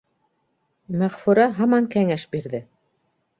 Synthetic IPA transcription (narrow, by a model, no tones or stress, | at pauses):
mæʁfuɾɑɦɑmɑŋkæŋæʃbiɾðɘ